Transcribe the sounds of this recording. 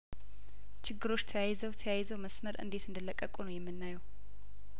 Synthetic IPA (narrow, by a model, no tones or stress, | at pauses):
t͡ʃʰɪɡːɨɾo̞t͡ʃːt̪ʰəjajzəwt̪ʰəjajzəwməsməɾʔɨ̰nd̪e̞t̪ɨnd̪ɨlːəkʼːəkʼunəwjɛmːɨnːajɛw